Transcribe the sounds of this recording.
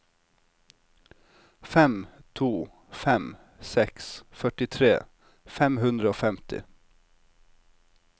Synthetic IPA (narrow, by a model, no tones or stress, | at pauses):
fɛmt̪ʰuː | fɛm | sɛksfœʈɪt̪ʰɾḛː | fɛmhʉnd̪ɾəoːfɛmt̪ɪ̰